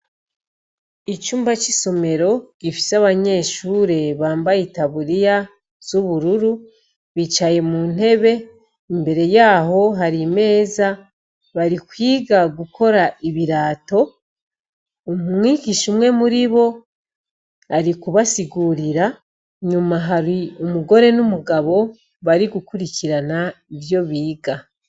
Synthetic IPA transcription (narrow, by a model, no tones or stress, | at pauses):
it͡ʃuːmbat͡ʃiso̞me̞ɾo̞ɟ̥ifi̥saβaɲe̞ːʃuːɾe̞βaːmbajitaβuɾija | z̥uβuɾuɾu | βit͡ʃaje̞mun̥e̞βe̞ | imbe̞ɾe̞jaːɦo̞ɦaɾime̞ːza | βaɾikwiːɡaɡukʰo̞ɾaʔiβiɾaːto̞ | omumŋiːɡiʃumŋe̞muɾiβo̞ | aɾikuβasiɡuɾiɾa | ɲumaɦaɾiumuɡo̞ɾe̞numuɡaβo̞ | βaɾiɡukuɾiciɾanaiβjo̞βiːɡa